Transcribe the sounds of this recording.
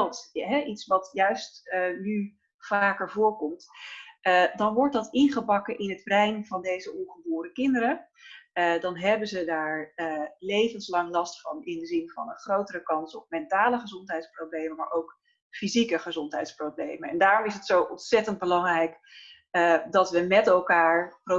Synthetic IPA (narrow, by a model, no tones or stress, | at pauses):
lˠtɦɛʔitsʋɑtjœɥstny | v̥aːkəɹvʊːɹkɔmtədɑnʋɔɹt̚dɑtɪnχəbɑkəʔɪnɦədbrɛjnvɑndejzəɔnχəbʊːɾəkɪndəɾə | ədɑnɦɛbənzədaːɹəlejvənslɑŋlɑstfɑnɪndəzɪnvɑ̰nənχrowtərəkɑnsɔp̚mɛntaːləχəzɔntɦɛjtsproblejməma̰ːɹʔowk | fizikəχəzɔntɦɛ̰jtsprowblejmənɛ̰ndaːɾɔmɪsətsowʔɔntsɛtənd̚bəlɑŋrɛjk | dɑtʋəmɛtɛlˠkaːɹχro